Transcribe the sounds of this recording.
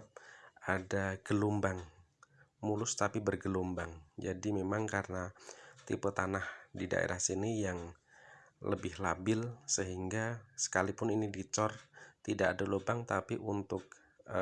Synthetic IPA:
adaɡ̥əlumbaŋ | mulʊst̪apibərɡəlumbaŋd͡ʒadimemaŋkaɾənat̪ḭpət̪anahdida̰ʔḛɾʔahsinijaŋ | lə̰bɪhlabɪlsəɦiŋɡasə̥kalipʊninidit͡ʃɔrt̪idaʔːdalobaŋt̪apiʔunt̪ʊk̚

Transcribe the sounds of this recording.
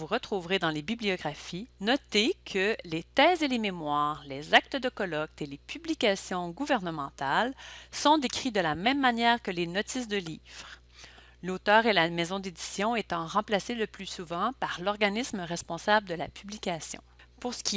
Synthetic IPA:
vuʁət̪χuvʁed̪ɑ̃lebibliɔɡʁafinɔt̪ekʰəlet̪ɛːzelememwaːʁlezak̚t̪əd̪əkɔlɔk̚t̪elepyblikʲasjɔ̃ɡuvɛʁnəmɑ̃t̪alsɔ̃d̪ekʁid̪əlamɛ̃mːanjɛːʁkəlenɔt̪isd̪əliːv̥ʁ | lot̪œːʁelamɛzɔ̃d̪ed̪i̥sjɔ̃et̪ɑ̃ʁɑ̃plaseləplysuvɑ̃paʁlɔʁɡanisməʁɛspɔ̃sabləd̪əla̰pʰyblikʲasjɔ̰̃ | puʁsə̥kʲi

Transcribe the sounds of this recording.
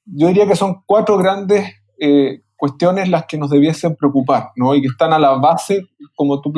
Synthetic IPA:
ɟ͡ʝoðiɾiakeso̞ŋkwat̪ɾo̞ɣɾand̪es | e | kwe̞st̪jo̞nezlaskeno̞zðe̞βjesempɾeokupaɾnoikeht̪analaβasekomot̪up

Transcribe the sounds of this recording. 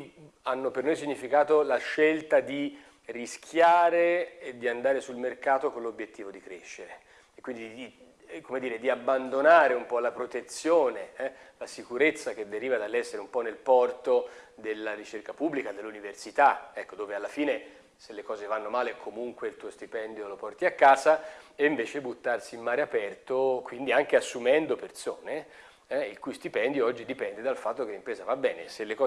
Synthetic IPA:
anːopernojsiɲːifikaːt̪olaʃːelt̪ad̪i | riskʰjaːɾeed̪ːiand̪aːɾesulmerkaːt̪okonlobjet̪ːiːvod̪ikɾeʃːeɾe | ekːwind̪id̪i | komed̪iːɾed̪iabːand̪onaːɾeumpɔlapɾot̪et̪sːjoːneɛlasikuɾet̪sːak̟ed̪ːeɾiːvad̪alːɛsːeɾeumpɔnelpɔrt̪od̪elːaɾit͡ʃerkapubːlikad̪elːuniversit̪aɛkːod̪oːvealːafiːne | selːekɔːzevanːomaːlekʰomuŋkweilt̪uːost̪ipɛnd̪jolopɔrt̪iakːaːzaeiɱveːt͡ʃebut̪ːarsiːmːaːɾeapɛrt̪okwind̪iaŋk̟easːumɛnd̪opert̪soːne | ɛilkujst̪ipɛnd̪joɔd͡ʒːid̪ipɛnd̪ed̪alfat̪ːokelːimpɾɛːzavabːɛːnḛselːekɔ

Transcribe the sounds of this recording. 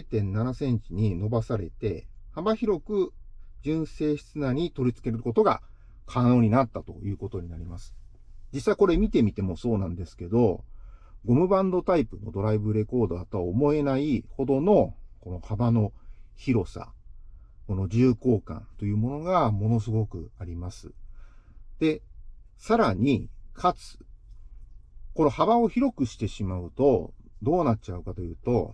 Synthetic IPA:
et̪ẽ̞nːanasẽ̞ɲ̟t͡ɕiɲ̟ino̞basaɾe̞t̪e̞habaçiɾo̞kɯ̟d͡ʑɨ̃ɰ̃se̞ːɕi̥t͡sɨnaɲ̟it̪o̞ɾʲit͡sɨ̥ke̞ɾɯɾɯko̞t̪o̞ɡa̰ | kʰano̞ːɲ̟inat̪ːat̪o̞̰jɯ̟ːko̞t̪o̞ɲ̟inaɾʲimasɨ̥ | d͡ʑisaiko̞ɾe̞mʲit̪e̞mʲit̪e̞mo̞so̞ːnãnd̪e̞sɨ̥ke̞d̪o̞ | ɡo̞mɯ̟bãnd̪o̞t̪aipɯ̟no̞̰d̪o̞ɾaibɯ̟ɾe̞ko̞ːd̪oat̪oaːmo̞e̞naiho̞d̪o̞no̞ko̞no̞habano̞çiɾo̞sa̰ | ko̞no̞d͡ʑɨːko̞ːkã̰nt̪o̞jɯ̟ːmo̞no̞ɡamo̞no̞s̬ɨɡo̞kɯ̟̰aɾʲimasɨ̰ | d̪̥e̞ | saɾaɲ̟ikʰat͡sɨ̥ | ko̞no̞habao̞çiɾo̞kɯ̟ɕi̥t̪e̞ɕimaɯ̟t̪o̞d̪o̞ːnat̚ːt͡ɕaɯ̟kat̪ojɯ̟ːt̪o̞̰

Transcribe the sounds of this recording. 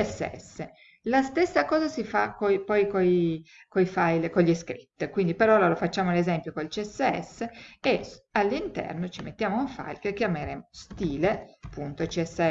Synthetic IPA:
ɛsːḛɛ̰sːe | last̪esːakɔːzasifakojpɔjkoj | kojfajlkoʎːiskɾit̪ːkwind̪ipeɾɔlolofat͡ʃːaːmolezɛmpjokoilt͡ʃiɛsːeɛ̰sːeealːint̪ɛ̰rnot͡ʃimḛt̪ːjaːmouɱfa̰jlkekjameɾeːmost̪iːleapːunt̪ot͡ʃiɛsːeɛ

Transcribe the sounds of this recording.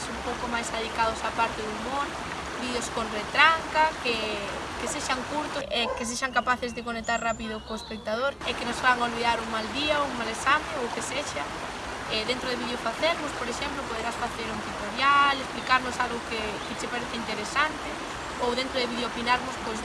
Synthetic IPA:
sumpowkomajsaðikaðʊsapaɾt̪eðʊmon | biðeoskonret̪ɾaŋkakekeseʃaŋkuɾt̪ʊʔɛkes̬eʃaŋkapaθezðekonek̚t̪aɾrapiðʊkoespek̚t̪að̞oɾɛkenosfaβaŋolβiðaɾuŋmald̪iauŋmalesamẽŋowkeseʃa | ɛðent̪ɾoð̞eβiðeofaθeɾmʊspoɾeʃɛmplopoð̞eɾasfaθeɾuŋt̪it̪oɾjalesplikaɾnʊsalɣʊke | kɪt͡ʃɪpaɾeθɪint̪eɾesant̪e | owðent̪ɾʊðeβiðeopinaɾmʊspojs

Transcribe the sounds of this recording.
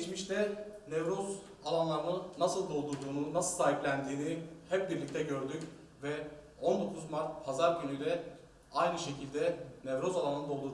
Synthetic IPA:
t͡ʃmiʃt̪ʰɛnevɾo̞z | alˠanlˠaɾɯnɯnasɯlˠd̪o̞lˠd̪uɾd̪uːnunasɯlˠsaːɦiplʲænd̪iːnihɛp̚biɾlʲic̚t̪ʰɛɟø̞ɾd̪yc | vɛ | o̞nd̪o̞kʰuzmaɾt̪̚pʰazaɾɟynyjdlʲɛ | ajnɯʃe̞cʰilʲd̪ɛnɛvɾo̞zalˠanˠanɯd̪o̞lˠd̪uɾ

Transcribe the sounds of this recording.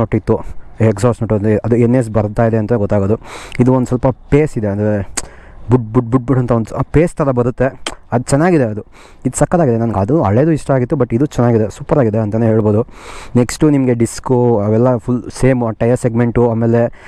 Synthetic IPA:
oʈːit̪ːueksaːsnoʈːnɐd̪uenːes̬bɐɾt̪aːid̪eɐnt̪ɐneɡɔt̪ːaːɡoːd̪uid̪uond̪usɐlpɐpeːsid̪eɐnd̪ɾebuɖbuɖ̚buɖ̚buɽɐnt̪ʰɐonupeːst̪ʰɐɾɐbɐɾut̪ːe̞ɐd̪ut͡ʃɛnːaːɡid̪eɐd̪u | id̪usɐkːɐd̪aːɡid̪enɐnɐɡad̪uɐɭed̪uiʂʈɐaːɡit̪ːubɐʈːid̪ut͡ʃɛnːaːɡid̪esuːpɐɾaːɡid̪eɐnt̪ɐneːɦe̞ːɭbo̞ːd̪uneksʈunimɐɡe̞ɖiskuɐʋɛlːɐpʰulseːmuɐʈːɐjɐɾseɡme̞ɳʈuaːmːeːle̞

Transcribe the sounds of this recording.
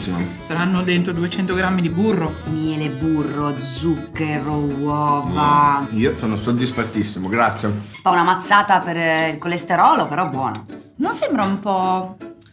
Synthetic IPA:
sːimosaɾanːod̪ent̪ɾod̪uet͡ʃɛnt̪oɡɾamːid̪iburːomjɛːleburːod̪zukːeɾowɔːvaiːosoːnosod̪ːisfat̪ːisːimoɡɾat̪sːjepaunamat̪sːaːt̪apeɾilkolːest̪eɾɔːlopeɾɔbːwɔːnononsɛmbɾaumpɔ

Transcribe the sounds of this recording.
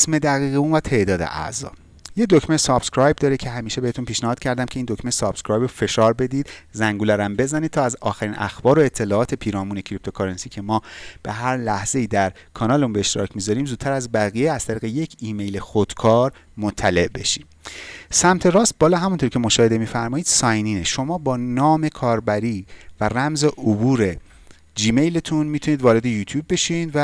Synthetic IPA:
sme̞d̪æɣiːɣeuːnvæt̪ʰe̞ʔd̪ɒːd̪ḛʔæ̰zɒ̰ː | jed̪ocmesɒb̥skɾɒjb̚d̪ɒːɾecʰe̞ɦæmiːʃe̞beet̪unpʰiːʃnæhɒːd̪̚cʰæɾd̪æmcʰe̞ind̪okmesɒb̥skɾɒːjbɾofe̞ʃɒːɾbe̞d̪iːd̪zæŋɡuːlæɾæmbe̞zænid̪̚t̪ʰɒːæzɒːxæɾiːnʔæ̰xb̥ɒːɾo̞et̪ʰːe̞lɒːɒːt̪ʰe̞pʰiːɾɒːmuːnecʰɾip̚t̪ʰo̞kʰɑɾensiːcʰe̞mɒːb̥e̞̰ɦæɾlæhz̥e̞iːd̪æɾ | kʰɒːnɒːleunbeeʃt̪eɾɒ̰ːcʰmiːzɒɾiːmzuːt̪tːʰæɾæzbæɣijeæz̥t̪ʰæɾiːɣe̞je̞cʰiːme̞jlexod̪̥kʰɒːɾ | mot̪ʰːæle̞ʔbe̞ʃiːd̪̥sæmt̪ʰe̞ɾɒːst̪̚bɒːlɒːɦæmunt̪ʰoɾcʰe̞moʃɒːheemiːfæɾmɒːiːd̪̥sɒːjniːneʃo̞mɒːbɒːnɒːme̞kʰɒːɾbæɾiːværæmze̞ʔobuːɾe̞ | d͡ʒiːme̞jlet̪ʰunmiːt̪ʰuniːd̪vɒːɾe̞d̪e̞juːt̪ʰjuːbːe̞ʃid̪væ

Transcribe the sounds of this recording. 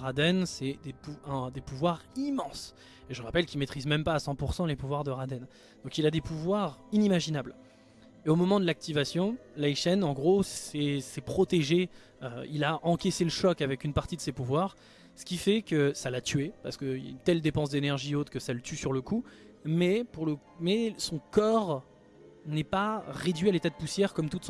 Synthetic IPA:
ʁad̪ɛnsɛd̪epuɛ̃d̪epuvwaʁimɑ̃s | eʒəʁapɛlkʲilmet̪χizmɛmpaːsɑ̃puʁsɑ̃lepuvwaʁd̪əʁad̪ɛn | d̪̥ɔ̃kilad̪epuvwaʁinimaʒinabl | eomɔmɑ̃d̪əlak̚t̪ivasjɔ̃laiʃɛnɑ̃ɡʁosɛsɛpχɔt̪eʒe | øilaʔɑ̃kʲeseləʃɔkavɛkʲynpaʁt̪id̪əsepuvwaʁ | sə̥kʲifɛkəsalat̪ɥepaʁsə̥kəila̰nt̪ɛld̪epɑ̃s̬d̪enɛʁʒiot̪kəsalət̪ysyʁləku | mɛpuʁlə | mɛsɔ̃kɔʁ | nɛpaʁed̪ɥialet̪ad̪əpusjɛʁkɔmt̪ut̪s

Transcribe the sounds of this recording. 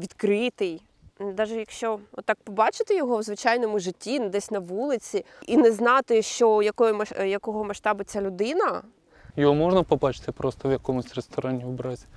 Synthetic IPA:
ʋʲid̪kɾɪt̪ɪj | d̪ɑʒɛjɐkʃt͡ʃɔɔt̪ːɑk̚pɔbɑt͡ʃɪt̪ɪjɔɦɔwzʋɪt͡ʃɑjnɔmʊʒɪtʲːind̪ɛsʲnɐʋulˠɪt͡sʲi | inɛznɑt̪ɪʃt͡ʃɔjɐkɔjʊmɐjɐkɔɦɔmɐʃt̪ɑbʊt͡sʲalʲʊd̪ɪnɐ | jɔɦɔmɔʒnɐpɔbɑt͡ʃɪ̥t̪ɪpɾɔst̪ɔʋjɐkɔmʊsʲrest̪ɔɾɑnʲibɾɑzʲi

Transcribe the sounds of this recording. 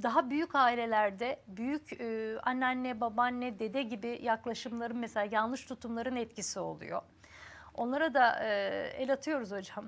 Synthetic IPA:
d̪aɦabyjycaːilʲe̞lʲæɾd̪ɛbyjycyanːanːɛbabanːɛd̪e̞d̪ɛɟibijaklˠaʃɯmlˠaɾɯnmeselʲaːjanˠlˠɯʃt̪ʰut̪ʰumlˠaɾɯnɛt̪̚cisio̞̰lˠṵjo̰ | o̞̰nlˠaɾad̪aɯːelʲat̪ʰɯjo̞ɾuzho̞d͡ʒam

